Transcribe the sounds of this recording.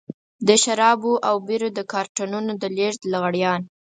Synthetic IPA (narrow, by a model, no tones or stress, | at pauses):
d̪əʃaɾɑboʔawbiɾod̪əkɑɾʈanunod̪əleʐd̪laɣaɽjɑn